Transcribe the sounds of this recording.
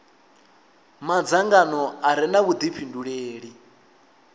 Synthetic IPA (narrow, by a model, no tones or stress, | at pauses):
mad͡zaŋɡanɔaɾɛnaβud̪ipʰinduɺeːɺi